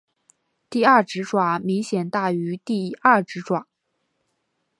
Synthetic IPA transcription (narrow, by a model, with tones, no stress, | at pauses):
t̪i˥˧ɐ˥˩ʈ͡ʂɻ̩˧˥ʈ͡ʂwa˨˩˦mi˧˥ŋɕjɛ˨˩nt̪a˥˩y˧˥t̪i˥˩˧ɐ˥˩ʈ͡ʂɻ̩˧˥ʈ͡ʂwa˨˩˦ŋ